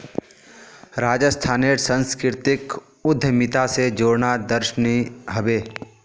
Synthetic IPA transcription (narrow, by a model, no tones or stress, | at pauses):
ɾaːd͡ʒəst̪ʰaːneɾsə̃nskɾɪɾt̪ɪk | ʊd̪ʱːəmɪt̪ased͡ʒoːɽnad̪əɾʃniɦəbeː